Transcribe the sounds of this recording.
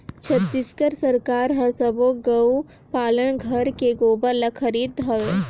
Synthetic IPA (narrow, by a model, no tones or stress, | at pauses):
t͡ʃʰɐt̪ːɪskəɾsɐɾkaːɾɦɐsəboɡɐu | paːləɽ̃ɡʱɐɾkeɡoːbəlɐkʰɐɾiːd̪ɦɐʋeː